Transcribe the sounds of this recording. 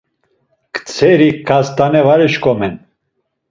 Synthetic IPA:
kt͡sʰɛɾikʰːast̪anɛvaɾɛʃkɔmɛn

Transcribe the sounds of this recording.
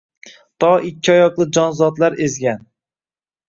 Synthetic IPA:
t̪ʰɒɪkʲʰːɪɒjɒqlˠɪd͡ʒɒnzɒt̪laɾezɡʲan

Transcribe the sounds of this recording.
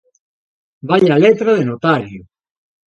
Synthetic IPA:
baʎalet̪ɾaðenot̪aɾju

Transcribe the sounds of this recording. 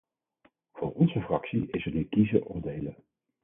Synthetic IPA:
v̥oːɹɔnzəfrɑksiɪsənykizəʔʊːɹdejlə

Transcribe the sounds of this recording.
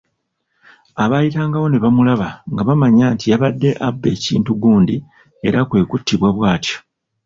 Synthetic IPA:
aβajitaːŋɡaβo̞ne̞βamulaβaŋɡaβamaɲaːntijaβadːe̞ʔabːe̞ːcḭːntuɡuːndi | e̞ɾakwe̞ːkutːiβwaβwaːtjo̥

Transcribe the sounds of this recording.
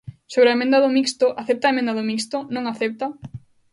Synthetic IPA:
soβɾɐemẽnd̪ɐðʊmikst̪ʊʔaθep̚t̪aemẽnd̪aðʊmikst̪ʊnõŋaθep̚t̪ɐ

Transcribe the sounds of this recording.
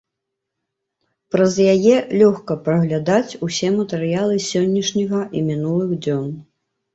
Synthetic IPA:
pɾɐzjajɛlʲɔxkɐpɾɐɣlʲad̪at͡sʲusʲɛmɐt̪ɛɾɨjalˠɨsʲɔnʲːɐʂnʲiɣɐʔimʲinulˠɨɣd͡zʲɔn

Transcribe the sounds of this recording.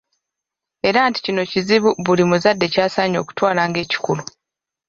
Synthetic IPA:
e̞ɾaːnti̥cino̞ciziβuβulimuzadːe̞caːsaːɲo̞̰ːku̥twaːlaːŋɡe̞ːci̥kulu

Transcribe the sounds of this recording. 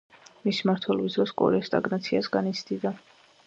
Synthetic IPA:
mismaɾt̪ʰwɛlɛbisd̪ɾɔskʼɔ̰ɾɛst̪ʼa̰ɡnat̪sʰiasɡanit̪sʰd̪id̪a

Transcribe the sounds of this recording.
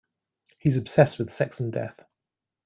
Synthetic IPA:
hizəb̥sɛswɪð̥sɛksə̃ndɛ̰θ

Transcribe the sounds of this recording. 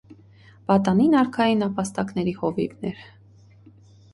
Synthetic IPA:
bɑt̪ɑninɑɾkʰɑjinɑpɑst̪ɑknɛɾihɔvḭvnɛɾ

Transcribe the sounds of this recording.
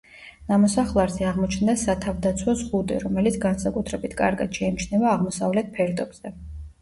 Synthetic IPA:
namɔsaχlˠaɾzɛaʁmɔt͡ʃʰnd̪asat̪ʰavd̪at̪sʰwɔzʁud̪ɛ̰ɾɔmɛlit̪sʰɡansakʼut̪ʰɾɛbit̪ʰkʼa̰ɾɡa̰d̪̥ʃɛimt͡ʃʰnɛvaːʁmɔsavlɛt̪̚pʰɛɾd̪ʼɔbzɛ

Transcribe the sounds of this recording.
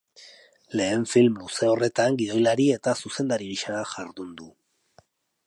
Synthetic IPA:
le̞ːɱfilmːuse̞ore̞t̪aŋɡiðo̞jlaɾie̞t̪asuse̞nd̪aɾiɣiʃaɾaʝaɾðund̪u

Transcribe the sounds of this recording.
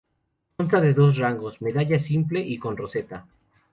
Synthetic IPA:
onst̪aðe̞ðo̞s̬raŋɡo̞sme̞ðaʝasimple̞ʔiko̞nro̞se̞t̪a

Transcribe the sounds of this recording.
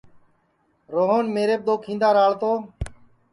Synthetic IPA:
ɾoːɦoːnmeːɾeːb̚d̪oːkʰĩːnd̪aːɾaːɭt̪oː

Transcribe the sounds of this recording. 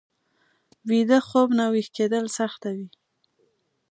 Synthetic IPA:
wid̪əxobnawixked̪əlsaxt̪awi

